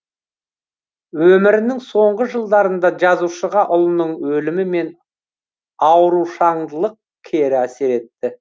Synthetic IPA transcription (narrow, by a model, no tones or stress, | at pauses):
wɵmɪɾɪnɪŋso̞ɴʁəʒəlˠd̪ɑɾənd̪ɑʒɑzuwʃəʁɑʔʊlˠənəɴwɵlɪmɪme̞n | ɑwɾuʃɑɴd̪əlˠəq̚ | kʲʰe̞ɾɪæse̞ɾe̞t̪ːɪ